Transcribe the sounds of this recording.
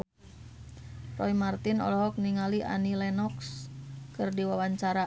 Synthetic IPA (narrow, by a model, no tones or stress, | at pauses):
rɔimart̪inɔ̰lɔɦɔk̚niŋaliʔa̰nilɛnɔkskɨrdiwawaɲt͡ʃaɾa